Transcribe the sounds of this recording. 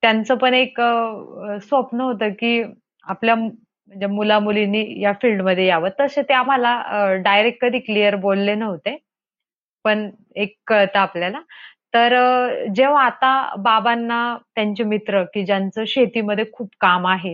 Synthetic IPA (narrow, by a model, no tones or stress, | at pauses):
t̪jant͡səpəɳekəsʋəpnəɦot̪əːkiː | aplja | m̤əɳd͡zemulamulinːiːjafilɖməd̪ʱːjejaʋət̪ːəset̪eam̤alaɖajɾek̚ʈ̚kəd̪ʱiːklijəɾbolːenəʋt̪e | pəɳ | ekːət̪əapljalat̪əɾd͡ʑeʋ̤aːt̪ababanːat̪jaɲt͡ɕemit̪ɾəkiːd͡ʑjant͡səːɕet̪iːməd̪ʱːjekʰuːpkamaɦe